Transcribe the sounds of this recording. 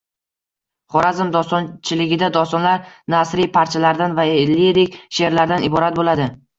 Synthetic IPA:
χɒɾazɪmd̪ɒst̪ɒnt͡ʃʰɪlɪɡʲɪd̪ad̪ɒst̪ɒnlaɾnasɾijpʰaɾt͡ʃʰalaɾd̪anvaɪlːied̪ekʲʃe̞ɾlaɾd̪anɪbɒɾat̪̚bolad̪ɪ

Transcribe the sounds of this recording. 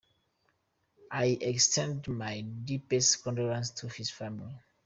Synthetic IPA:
ʔajɛkstʰɛ̃ndmajdipɛstkɔ̃nduɹãnstʰuhisfamili

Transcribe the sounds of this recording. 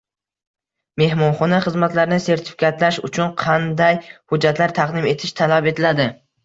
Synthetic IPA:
me̞hmɒnχɒnaχɨzmat̪laɾɪnɪse̞ɾt̪ʰɪ̥fɪ̥kʲat̪laʃʊt͡ʃʰʊnqʰɑnd̪ajhʊd͡ʒːat̪laɾt̪ʰaqd̪ɪme̞t̪ʰɪʃt̪ʰalape̞t̪ʰɪlad̪ɪ

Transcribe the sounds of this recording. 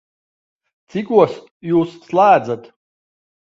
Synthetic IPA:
t̪t͡ssikuɔs | juːsːlˠæːd͡z̪at̪

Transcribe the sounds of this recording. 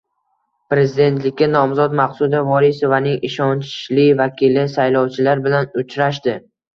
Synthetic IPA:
pɾe̞zɪd̪e̞nt̪lɪkʲːanɒmzɒd̪maqsud̪avɒɾisovanɪŋɪʃɒnt͡ʃlɪvakʲʰilɪsajlɒwt͡ʃʰɪlaɾbɪlanʊt͡ʃʰɾaʃ̬d̪ɪ

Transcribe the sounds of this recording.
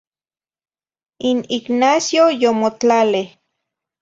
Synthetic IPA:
iniknasjojomot͡ɬaleh

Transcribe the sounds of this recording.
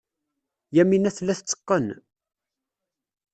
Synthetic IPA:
jæminæθlːæθət͡sːə̥qːən

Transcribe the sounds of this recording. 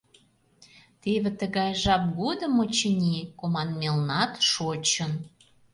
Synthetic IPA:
t̪eβĕt̪əɣɑjʒɑp̚ɡod̪ə̆mot͡ɕənʲikomɑnmelnɑt̪ʃot͡ɕə̆n

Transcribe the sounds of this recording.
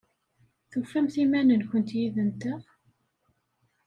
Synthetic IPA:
θufːæmθimænənkʷənt̪jiðənt̪əʁ

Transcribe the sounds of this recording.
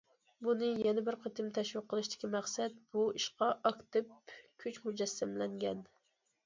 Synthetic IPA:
bunɨjɛnɛbɪɾqʰet̪ɨmt̪ʰɛʃwɨqʰːəlˠɨʃt̪ɪ̥kʲimæχsɛt̪̚b̥uiʃqɑʔɑkt̪ɨp̚kʲʰyt͡ʃmud͡ʒɛsːɛmlɛŋɡʲɛ̰n

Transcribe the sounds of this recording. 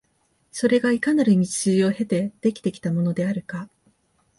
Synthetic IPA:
so̞ɾe̞ɡaikanaɾɯ̟mʲit͡ɕɨːo̞he̞t̪e̞d̪̥e̞kʲi̥t̪e̞kʲi̥t̪amo̞no̞d̪e̞aɾɯ̟ka

